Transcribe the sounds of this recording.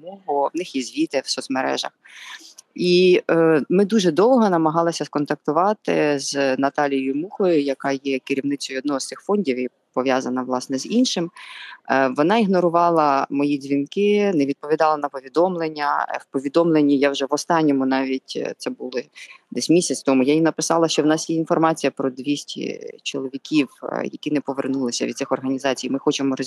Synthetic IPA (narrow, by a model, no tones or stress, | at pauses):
mɔɦʊʋnɪxjɛzʲʋʲit̪ɛwsɔt̪smeɾɛ̰ʒɐ̰x | i | mɪd̪uʒɛd̪ɔlˠɦɔnɐmɐɦɑlˠɪsʲɐskɔnt̪ɐk̚t̪ʊʋɑt̪ɪ̰znɐt̪ɑlʲijʊjmuxɔjʊjɐkɑjɛkɪɾʲiwnɪt͡sʲɔjʊɔd̪nɔɦɔst̪ɪxfɔnʲdʲiwi | pɔʋʲjɑzɐnɐʋlˠɑsnɛzinʃɪm | ʋɔnɑiɦnɔɾʊʋɑlˠɐmɔjizʲʋʲinkɪnɛʋʲid̪̚pɔʋʲid̪ɑlˠɐnɐpɔʋʲid̪ɔmlˠenʲːɐwpɔʋʲid̪ɔmlˠenʲːijawʒɛʋɔst̪ɑnʲːɔmʊnɑʋʲitʲt̪sɛbulˠɪd̪ɛsʲmʲisʲɐt͡sʲt̪ɔmʊjajimnɐpɪsɑlˠɐʃt͡ʃɔwnɑsjɛinfɔrmɑt͡sʲijɐpɾɔd̪ʋʲisʲtʲḭt͡ʃɔ̰lˠɔʋʲikʲiwjɐ̰kʲinɛpɔʋḛrnulˠɪsʲɐ̰ʋʲid̪sɪxɔrɦɐnʲizɑt͡sʲijmɪxɔt͡ʃɪmɔɾ